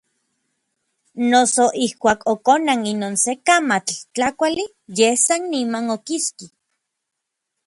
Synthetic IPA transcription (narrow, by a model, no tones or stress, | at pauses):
nosoʔihkʷaːkʰokonaŋinoːnsekamat͡ɬt͡ɬakʷali | jehsanːimanokiski